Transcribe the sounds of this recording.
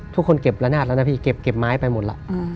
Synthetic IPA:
t̪ʰu˦˥kʰːo˧nke˨˩p̚la˧˥naː˥˩la˦˥na˧pʰiː˧ke˨˩p̚ke˨˩p̚maː˦˥jpa˧jmo˨˩t̪la̰˧˦ʔ

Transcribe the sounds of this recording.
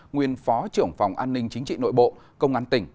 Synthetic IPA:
ŋwi˨˧˩ənfɔ˨˦t͡ɕɨ˧˩əŋfa˨˩wŋ͡mʔaː˧nːï˧ŋ̟t͡ɕï˨˦ŋ̟t͡ɕḭ˧˨no̰˧˨jɓo̰˧˨ | kə˧wŋ͡mʔaː˨˦nt̪ï˧˩ŋ̟

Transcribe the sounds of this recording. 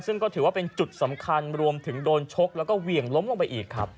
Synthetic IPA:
nsɯ˥˩ŋkɔː˥˩t̪ʰɯː˩˦waː˥˩pe˧nt͡ɕu˨˩t̪̚sa˩˦mkʰa˧nɾu˧əmt̪ʰɯ˩˦ŋdoː˧nt͡ɕʰo˦˥k̚lɛː˦˥wkɔː˥˩wi˨˩əŋlo˦˥mlo˧ŋpa˧jʔiː˨˩kkʰːɾa̰˦˥pp̚

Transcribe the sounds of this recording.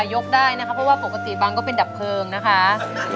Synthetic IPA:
jo˦˥k̚daː˥˩jna˦˥kʰa˦˥pʰɔ˦˥waː˥˩po˨˩ka˧t̪i˨˩ba˧ŋkɔː˥˩pe˧nda˨˩p̚kʰɤː˧ŋna˦˥kʰa˦˥

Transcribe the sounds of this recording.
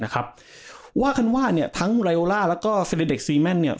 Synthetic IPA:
na˦˥kʰa˦˥p̚ | waː˥˩kʰa˥˩nwaː˥˩ni˥˩ɐt̪ʰa˦˥ŋɾa˧jʔoː˧laː˥˩lɛː˦˥wkɔː˥˩fe˧liː˦˥˩de˨˩k̚siː˧mɛ˥˩nːi˥˩ɐ

